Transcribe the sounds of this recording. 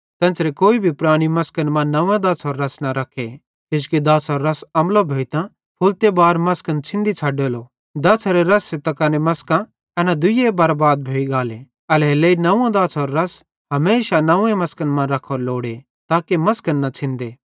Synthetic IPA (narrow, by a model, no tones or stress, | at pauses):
t̪ɛ̃ːsɾekoːibʱipɾaːɽ̃imɐskənmãnɐ̃ãd̪aːsɔːɾːɐsnaɾɐkʰe | kɪd͡ʒkid̪aːsɔːɾːɐsɐmlobʱoːit̪ã | pʰʊlt̪ebaːɾmɐskənt͡ʃʰɪ̃nd̪it͡sʰaːɖelo | d̪ɐːsʰɐɾeɾɐsːet̪ɐkaːnemɐskã | ɐnãd̪ʊjebɐɾbaːd̪̚bʱoːiɡaːle | ɐleleinɐãd̪aːsɔːɾːɐs | ɦɐmeːʃanɐẽmɐskənmãɾɐkʰːɔːɾloːɽe | t̪aːkemɐskənːat͡sʰɪ̃nd̪eː